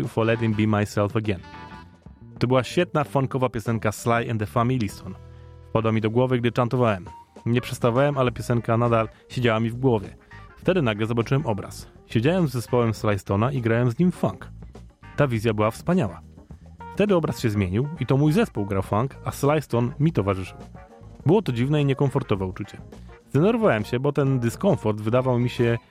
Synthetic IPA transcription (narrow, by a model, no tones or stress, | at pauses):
fɔlɛd̪imbimajsɛlfɛɡɛn | t̪ɔbɘwaɕfʲjɛt̪̚nafaŋkɔvapʲjɔsɛŋkaslajɛnd̪ɛfamʲilʲist̪ɔnpad̪wamʲid̪ɔɡwɔvɘɡ̚d̪ɘt͡ʂant̪ɔvawɛmɲɛpʂɛ̥t̪st̪avawɛmalɛpʲjɔsɛŋkanad̪alɕed͡ʑawamʲivɡwɔvʲjɛ̰ft̪ɛd̪ɘnaɡlɛzɔbat͡ʂɨwɛmɔbɾa̰sɕed͡ʑawɛmzːɛspɔwɛmslajst̪ɔnaʔiɡɾawɛmzɲimfa̰ŋkt̪avʲizʲjabɘwafspaɲawa | ft̪ɛd̪ɘɔbɾasɕɛzmʲjeɲiwit̪ɔmujzɛspuwɡɾawfaŋkaslajst̪ɔnmʲit̪ɔvaʐɘʂɘw | bɘwɔt̪ɔd͡ʑivnɛiɲɛkɔɱfɔɾt̪ɔvɛut͡ʂut͡ɕɛz̥d̪ɛnɛɾvɔvawɛmɕɛbɔt̪ɛnd̪ɘskɔ̃ɱfɔɾd̪vɘd̪avawmʲiɕɛ